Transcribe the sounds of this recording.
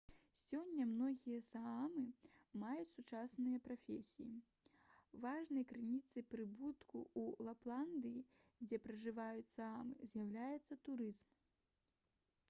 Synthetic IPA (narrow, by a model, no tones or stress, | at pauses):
sʲɔnʲːɐmnɔɣʲijɐsaamɨmajut͡sʲsut͡ʂasnɨjɐpɾafʲesʲiji | vaʐnɐjkɾɨnʲit̪sɨpɾɨbut̪kuulˠaplˠand̪ɨji | d͡zʲɛpɾɐʐɨvajut͡sʲsaamɨ̰zʲjawlʲajɛt̪sːɐt̪uɾɨzm